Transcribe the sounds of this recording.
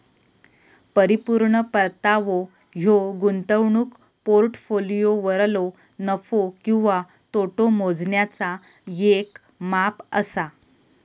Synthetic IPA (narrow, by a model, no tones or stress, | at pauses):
pəɾipuɾɳəpəɾt̪aʋoɦjoɡunt̪əʋɳuːkpoɾʈfolijoʋəɾlonəfokĩw̃ʋat̪oʈomod͡zɳjat͡sajek | mapə̰sa